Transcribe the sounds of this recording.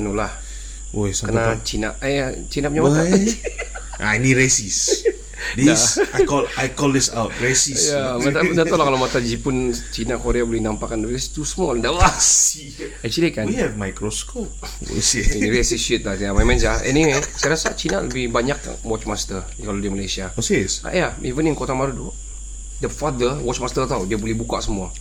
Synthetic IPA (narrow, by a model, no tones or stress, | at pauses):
anulah | ojsakənat͡ʃinaʔjat͡ʃinap̚ɲamata | ʔa̰iniɾesis | didaɔlajkɔldɪsat̚ɾesijamat̪adat̪ɔlahkalomat̪ad͡ʒipʊnt͡ʃinakoɾeabolɛhnampakanləbst̪usəmɔlndawas | at͡ʃilikanihɛvmajkɾoskop̚ | sɾesisit̪̚lajamajmãnslaɛ̰niwesajɾasa̰t͡ʃina̰lə̰bɪhbaɲak̚ | wɔt͡ʃmast̪ə | kalodiamalajsiaosesa̰ʔjaivəniŋkot̪amaɾut̪u | dəfad̪əwɔt͡ʃmast̪ərt̪awdiabolɛhbuka̰ʔsəmua